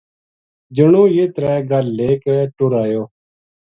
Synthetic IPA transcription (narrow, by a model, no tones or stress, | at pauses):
d͡ʒəɳõːjeːt̪ɾɛːɡəlːeːkeːʈʊɾaːjoː